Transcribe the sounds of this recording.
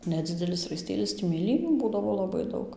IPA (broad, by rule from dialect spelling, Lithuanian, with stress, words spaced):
nʲɛˈd͡zʲɪdʲɛlʲɪs rɐɪˈsʲtʲeːlʲɪs tʲiː mʲeːˈlʲiːnʲuː ˈbuːdɐʋoː lˠɐˈbɐɪ ˈdɐʊk